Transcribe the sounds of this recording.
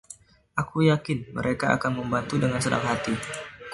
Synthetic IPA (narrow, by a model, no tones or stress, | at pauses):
ʔakujakɪnmə̰ɾʔekaa̰kanməmbant̪udəŋansəna̰ŋɦat̪i